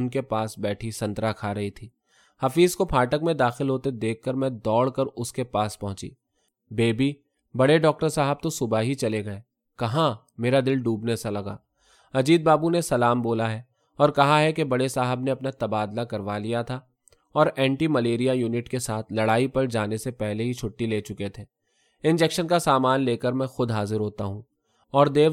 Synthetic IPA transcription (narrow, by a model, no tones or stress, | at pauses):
ʊnkepaːsbɛːʈʰisɐ̃nt̪ɾakʰaːɾɐɦit̪ʰiː | hɐfiːzkopʰaːʈəkmẽd̪aːxɪlɦoːt̪ed̪eːkʰːɐɾmɛ̃d̪ɔːɽkəɾʊskepaːspɐɦʊ̃t͡ʃḭː | beːbi | bɐɽeɖɔːk̚ʈəɾsaːɦəb̚t̪osʊbaɦit͡ʃɐleɡɐe | kɐɦã | meːɾad̪ɪlɖuːbnesalɐɡa̰ː | ɐd͡ʒiːd̪̚baːbunesɐlaːmboːlaɦɛː | ɔːɾkɐɦaɦɛkebɐɽesaːɦəbneɐpnat̪ɐbaːd̪lakɐɾʋalijat̪ʰa | ɔːɾɛ̃ːɳʈimɐleːɾijajuːnɪʈkesaːt̪ʰlɐɽaːipɐɾd͡ʒaːnesepɛɦleɦit͡ʃʰʊʈːileːt͡ʃʊket̪ʰeː | ɪ̃nd͡ʒɛkʃənkasaːmaːnleːkəɾmɛ̃ːxʊd̪ɦaːzɪɾɦoːt̪aɦũː | ɔːɾd̪eː